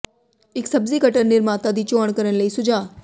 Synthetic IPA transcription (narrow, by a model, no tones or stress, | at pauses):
eksəbzikəʈəɾnɪɾmãt̪əd̪it͡ʃɔɳ̃kəɾəɳləisʊd͡ʒa